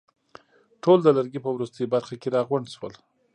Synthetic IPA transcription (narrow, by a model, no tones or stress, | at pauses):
ʈold̪əlaɾɡipəwɾust̪əjobaɾxakeɾɑɣwaɳɖswəl